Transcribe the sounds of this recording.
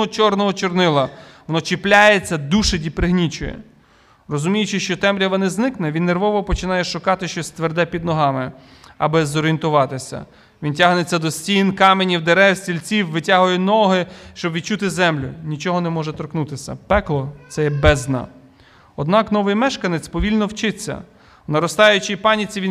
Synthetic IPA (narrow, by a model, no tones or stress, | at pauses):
ɔt͡ʃɔrnɔɦɔt͡ʃɔrnɪlˠɐʋɔnɔt͡ʃɪplʲajet͡sʲːɐd̪uʃedʲipɾɪɦnʲit͡ʃʊjɛ̰ | rɔzʊmʲijʊt͡ʃɪʃt͡ʃɔt̪ɛmɾʲɐʋɔnɪznɪknɛʋʲinːerʋɔʋɔpɔt͡ʃɪnɑjɛʃʊkɑt̪ɪʃt͡ʃɔsʲt̪ʋerd̪ɛpʲid̪nɔɦɑmɪ | ɐ̰bɪzɔɾʲijnt̪ʊʋɑt̪ɪsʲɐ̰ | ʋʲintʲaɦnet͡sʲːɐd̪ɔsʲtʲinkɑmenʲiwd̪eɾɛwsʲtʲilʲt͡sʲiwʋɪtʲaɦʊjɛnɔɦɪʃt͡ʃɔbʋʲid̪̚t͡ʃut̪ɪzɛmlʲʊnʲit͡ʃɔɦɔnɛmɔʒɛt̪ɔɾknut̪ɪsʲɐ̰pɛklˠɔt̪sɛjɛbɛznɐ̰ | ɔd̪nɑknɔʋɪjmɛʃkɐnet͡sʲpɔʋʲilʲnɔwt͡ʃɪt͡sʲːɐ̰ | nɐɾɔst̪ɑjʊt͡ʃɪjpɑnʲit͡sʲiʋʲi